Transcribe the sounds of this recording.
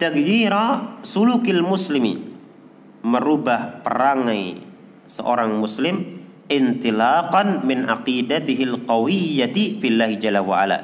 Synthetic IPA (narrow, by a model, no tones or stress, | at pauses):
t̪akjiɾasulukilmuslimḭn | məɾubahpə̰ɾaŋaj | sə̰ʔoɾaŋmuslɪm | ʔɪnt̪ilaqɑnmɪnaqidat̪ɪɦɪlqɑwijat̪ifilːaɦid͡ʒalːawaʔa̰la̰